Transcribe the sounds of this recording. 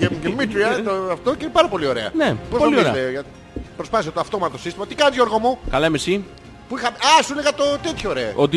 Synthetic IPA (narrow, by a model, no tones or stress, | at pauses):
eɡemit̪ɾiɐoɐft̪o̞ceinepɐɾɐpo̞lio̞ɾe̞ɐ̰nepospoɐlioiɾḛɐt̪eʝɐ | pɾospɐθisɐt̪oɐft̪o̞mɐt̪ot̪osist̪imɐt̪i̥kɐnizoɾɣomukɐlɐmesi | puixɐmeɐsuleɣɐt̪o̞t̪et̪çooɾeɐot̪̬i